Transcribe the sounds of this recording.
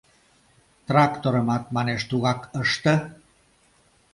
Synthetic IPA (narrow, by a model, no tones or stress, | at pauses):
t̪rɑkt̪oɾəmɑt̪̚mɑneʃt̪uɣɑkəʃt̪ə̆